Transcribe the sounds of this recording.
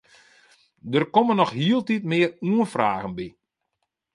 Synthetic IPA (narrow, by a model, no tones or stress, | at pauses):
dərkɔmənɔxɦiəlˠtitmɪːəruənfraːɣənbi